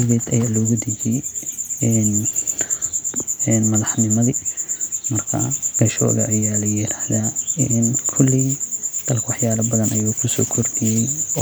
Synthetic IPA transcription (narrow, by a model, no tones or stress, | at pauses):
ɣɛːd̪ɐ̰jaːlɔːɣud̪ɪd͡ʒɪjɛɛːn | ɛnmɐðɑħnɪmɐði | mɐrkʰɐ̰b̥ɛʃɔ̰ːɣɐ̰ʔɐjaːlɐjɪɾaːhðaːnkʰʊlːɪd̪̥ɐlkʰɐwɑħjaːlɐbɐðɐnʔɐjuːkʰʊsɔːkʰɔrdɪjɛj